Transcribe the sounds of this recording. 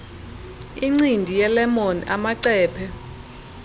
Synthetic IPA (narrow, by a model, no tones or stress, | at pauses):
iŋ͡ǀindʱijɛlɛmonḭʔamaǀɛːpʰɛ